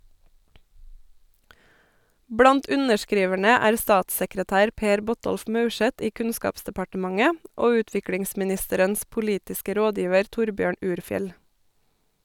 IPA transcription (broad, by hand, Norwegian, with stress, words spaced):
ˈbɽɑnt ˈʉnəʃˌkɾiːʋæɳə ˈæːɾ ˈstɑːtsəkɾəˌtæːɾ ˈpeːɾ ˈbɔˌtɔlf ˈmɑʉˌʃɛt ˈiː ˈkʉnˌskɑːpsdɛpɑʈəˌmɑŋə ˈoː ˈʉːtʋɪkɽɪŋsmɪˌnɪstəɾəns pʊˈliːtɪskə ˈɾoːˌdjiːʋəɾ ˈtʊɾˌbjøːɳ ˈʉːɾˌfjɛl